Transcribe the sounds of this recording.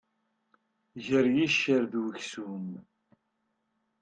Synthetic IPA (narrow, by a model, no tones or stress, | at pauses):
ʝəɾjiʃːəɾðwəçsum